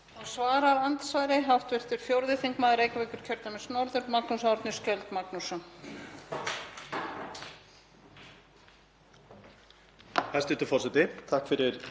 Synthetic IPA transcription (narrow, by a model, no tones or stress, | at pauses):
ansvaːɾaɾant̪svajɾeɦawht̪vɪr̥t̪ʏɾ̥fjowɾðɪθiŋkmaːðɪɾejkvɛjkʏɾ̥cʰœɾt̪amɪsnɔɾðʏɾmaknusaaɾt̪nɪscɛlt̪maknusa | hɛst̪ʏɪt̪ɪfɔrsɛt̪ɪt̪ʰahkfɪɾɪɾ̥